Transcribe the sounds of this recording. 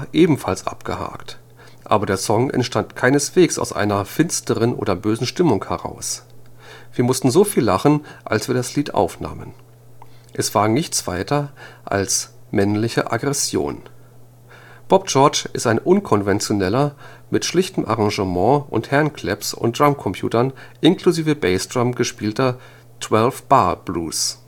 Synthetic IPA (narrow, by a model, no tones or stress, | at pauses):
ʔeːbm̩falsʔa̰pɡ̥əha̰ːkt | ʔa̰ːbɐdeːɐsɔŋʔɛ̰ntʃtantkʰaɪnəsv̥eːksa̰ʊsʔa̰ɪnɐfɪnstəʁənʔo̰ːdɐbøːzn̩ʃtɪmʊŋhɛʁa̰ʊs | v̥iːɐmʊstn̩zoːfiːlːaχn̩ʔa̰lsv̥iːɐdasliːtʔa̰ʊfna̰ːmən | ʔɛsv̥aːɐnɪçt͡sv̥a̰ɪtʰɐʔa̰lsmɛnlɪçə̰ʔa̰ɡʁɛsjo̰ːn | b̥ɔb̚d͡ʒɔɐt͡ʃɪstaɪnʔʊnkʰɔnvɛnt͡sjonɛlɐ | mɪtʃlɪçtəm̩ʔaʁãŋʒəmɑ̃ʔʊ̰nthɛɐnkʰl̥ɛpsʊ̰ntʁ̥amkʰɔmpʰj̥ṵːtɐnʔɪnkluziːvəbɛɪsdʁamɡəʃpiːltɐ | tʰw̥ɛlfb̥aɐb̥lṵːs